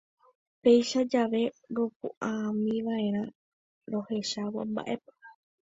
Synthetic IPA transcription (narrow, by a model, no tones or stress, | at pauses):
pe̞jʃad͡ʒaʋe̞ɾop̚ṵʔamĩʋaẽ̞ɾ̃ã | ɾo̞he̞ʃawa̰mba̰ʔe̞po̥